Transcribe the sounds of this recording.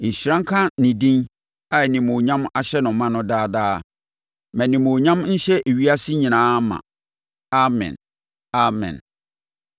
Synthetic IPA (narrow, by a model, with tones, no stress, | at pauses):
ɲ̩˨ɕɾã˦ŋ̩˦kʰã˦nĩ˨dĩ˦n | a˨nĩ˨mõ˨ɲã˦ma˨ɕɛ˦nʊ̃˨˦mã˦nʊ̃˦daː˦daː˦ | mæ̃˨nĩ˨mõ˨ɲã˦mn̩˦ɕɛ˦ʔe˨ɥi˦a˦sɪ˦ɲĩ˨nãː˦mã̰˨ | a˦mɛ̰̃˨n | a˦mɛ̰̃˨n